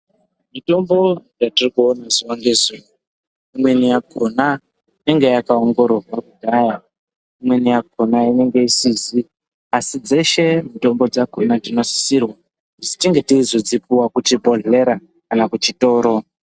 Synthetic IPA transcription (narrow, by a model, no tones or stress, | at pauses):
mito̞mbo̞jatirikuonaziwaŋɡe̞ziːwo | imwe̞nijakʰona | ine̞ŋɡejakaoŋɡo̞rorwakudʱaja | imwe̞nijak̚ʰo̞naine̞ŋɡe̞isisi | asid͡ze̞ʃe̞mito̞mbo̞d͡zakonadino̞si̥sirwa | d͡zitiŋɡe̞tizod͡zipuwakutibo̞ɮe̞ɾa | kanakut͡ʃito̞ːɾo̞